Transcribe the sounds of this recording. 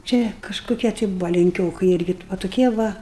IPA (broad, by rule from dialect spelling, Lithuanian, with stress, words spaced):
ˈt͡ʃʲɛ kɐʃkʊˈkʲiɛ tɐɪ ˈbʊʋɐ lʲɛŋʲˈkʲoːkɨɪ ˈɪrʲɡʲɪ ʋɐ tʊˈkʲiɛ ˈʋɐ